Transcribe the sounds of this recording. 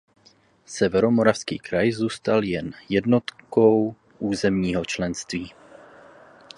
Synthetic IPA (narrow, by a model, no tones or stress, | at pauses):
sɛvɛɾo̞mo̞ɾafskḭːkɾajzuːst̪aljɛnjɛdnot̪kow | ʔuːzɛmɲiːɦot͡ʃlɛnst̪viː